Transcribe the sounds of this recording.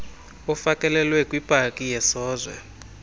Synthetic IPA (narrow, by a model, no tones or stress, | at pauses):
ɔfakʼɛlɛlwɛkʼwib̥ʼʱakʼijɛsɔːzwɛ̰